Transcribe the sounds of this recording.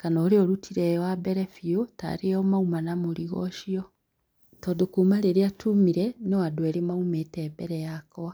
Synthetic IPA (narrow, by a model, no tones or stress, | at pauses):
kanɔɾeɔɾutʰiɾɛwabɛɾɛfiota̰ɾeɔmaumanamoɾiɣɔ̰ʃiɔ | tɔðokumaɾeɾeatʰumiɾɛnewadwɛɾemaumetɛːbɛɾɛjakɔwa